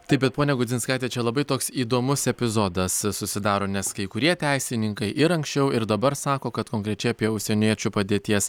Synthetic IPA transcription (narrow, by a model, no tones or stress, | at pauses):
t̪ɐɪp̚bʲɛt̪̚poːnʲɛɡʊzʲɪnskɑˑɪt̪ʲeːt͡ʃʲɛlˠɐbɐɪt̪oːksiːd̪oːmʊsɛpʲɪzoːd̪ɐssʊsʲɪd̪ɑːɾoːnʲɛskɐɪkʊɾʲiɛt̪ʲæɪsʲɪnʲɪŋkɐɪʔɪɾɐŋksʲt͡ʃʲɛʊɪɾd̪ɐbɐɾsɑːkoːkɐt̪koːŋkɾʲɛt͡ʃʲɛɪɐpʲiɛʊʃʲsʲɛnʲiɛt͡ʃʲupɐd̪ʲeːt̪ʲiɛs